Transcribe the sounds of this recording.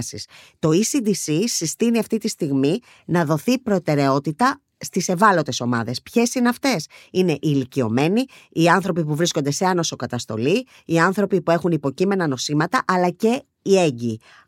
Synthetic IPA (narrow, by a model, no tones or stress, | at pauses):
sḭst̪o̞isid̪isisist̪iniɐft̪it̪ist̪iɣmi | nɐðo̞θipɾo̞t̪e̞ɾe̞o̞t̪it̪ɐ | st̪ise̞vɐlo̞t̪e̞so̞mɐ̰ðe̞spçe̞sineɐft̪e̞sine̞ʔilicio̞̰me̞ni | iɐnθɾo̞pipuvɾiskond̪e̞se̞ɐno̞so̞kɐt̪ɐst̪o̞̰li | iɐnθɾo̞pipue̞xunipo̞cime̞nɐno̞simɐt̪ɐʔɐlɐce̞ | ie̞ɲɟiː